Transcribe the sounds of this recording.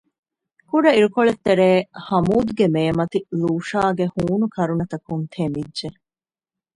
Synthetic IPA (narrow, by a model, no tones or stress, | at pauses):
kuɖɐiɾukoɭet̪ːeɾeːhɐmuːd̪ɡemeːmɐt̪iluːʂaːɡehuːnukʰɐɾunɐt̪ɐkunt̪ʰemidːʒe